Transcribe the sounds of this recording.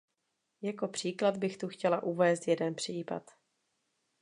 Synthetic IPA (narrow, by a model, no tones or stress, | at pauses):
jako̞pr̝̥iːklad̪bɪxt̪uxcɛlaʔuvɛːst̪jɛdɛnpr̝̥iːpa̰t̪